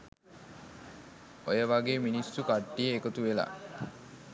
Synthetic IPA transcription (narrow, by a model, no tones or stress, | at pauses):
ojəʋaɡeːminisːukaʈːijəekət̪uʋela̰